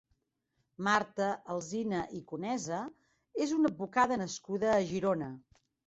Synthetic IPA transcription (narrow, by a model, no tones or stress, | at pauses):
maɾt̪əəlˠzinəʔikunɛzə | ezunəd̪̚βukaðənəskuðəːʒiɾonə